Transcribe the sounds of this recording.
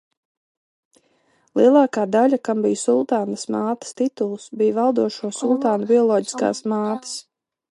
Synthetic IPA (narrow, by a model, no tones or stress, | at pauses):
lˠiɛlˠaːkaːd̪aʎʲakambijsulˠt̪aːnasmaːt̪ḁst̪it̪ulˠsbijvalˠd̪uɔʃuɔsulˠt̪aːnubiɔlˠɔːɟi̥ska̰ːsmaːt̪ə̥s